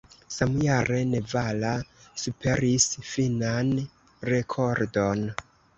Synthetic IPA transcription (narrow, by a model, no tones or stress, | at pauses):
samjaɾe̞nevalasupe̞ɾisfinan | ɾe̞kʰo̞ɾdo̞n